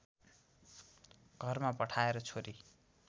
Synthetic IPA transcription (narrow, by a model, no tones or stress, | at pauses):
ɡ̥ʱʌrmapʌʈʰaeɾʌt͡sʰoɾi